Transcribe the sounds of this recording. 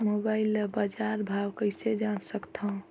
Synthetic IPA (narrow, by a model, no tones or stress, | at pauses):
mobaɪilbad͡ʒaɾbʱawkəɪsed͡ʒansəkt̪ʰə̃